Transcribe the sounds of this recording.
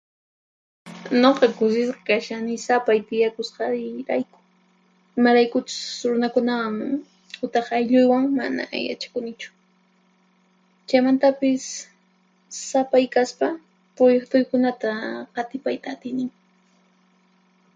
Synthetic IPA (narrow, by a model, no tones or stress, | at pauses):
noqɑkʊs̬ɪsqɑ̥kaʃanɪsapajt̪ɪjakʊsqɑɾajkʊ̥ | ɪmaɾajkʊt͡ʃʊ̥sɾʊnakʊnawaŋ | hʊt̪ɑχajʎʊjwaŋma̰na̰ja̰t͡ʃḁkʊnɪt͡ʃʊ̥ | t͡ʃajmant̪apɪs | apajkaspa | pʊjkt̪ʊjkʊnat̪aqɑt̪ɪpajt̪aːt̪ɪjnɪŋ